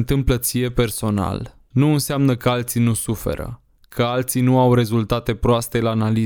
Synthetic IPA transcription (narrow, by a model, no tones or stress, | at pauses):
nt̪ɨmplət̪sʲije̞pe̞rso̞na̰l | nuɨnseamnəkəalt̪sinusufe̞̰ɾə̰ | kʰəalt̪sinuawɾe̞zult̪at̪e̞pɾoast̪e̞laːnali